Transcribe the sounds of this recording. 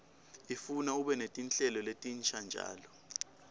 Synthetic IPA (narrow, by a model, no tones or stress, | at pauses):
ifunauɓɛnetʼint͡ɬʼɛlɔletʼint͡ʃʰʼand͡ʒʱa̰ːlɔ